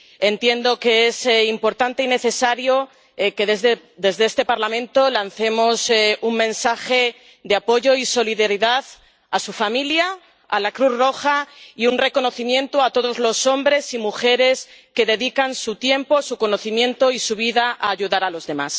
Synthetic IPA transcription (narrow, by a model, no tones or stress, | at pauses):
e̞nt̪je̞nd̪o̞ke̞esimpo̞ɾt̪ant̪e̞ine̞θe̞saɾjo | ke̞ðezðe | d̪e̞zðeest̪e̞paɾlamẽnt̪o̞lanθe̞mo̞suŋmẽ̞nsaxe̞ | d̪eapo̞ʝo̞iso̞liðeɾiðað | asufamilja | a̰lakɾuθro̞xaiunre̞ko̞no̞θimjẽ̞nt̪oat̪o̞ðo̞zlo̞so̞mbɾe̞simuxe̞ɾe̞ske̞ðe̞ðikansut̪je̞mpo̞suko̞no̞θimjẽ̞nt̪oisuβ̞iðaʔaːʝuðaɾalo̞zðe̞mas